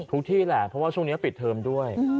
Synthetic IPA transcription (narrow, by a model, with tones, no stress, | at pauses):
t̪ʰu˦˥k̚t̪ʰiː˥˩lɛ˨˩pʰɔ˦˥waː˥˩t͡ɕʰu˥˩ŋni˦˥˩pi˨˩t̪ʰːɤː˧mdu˥˩əj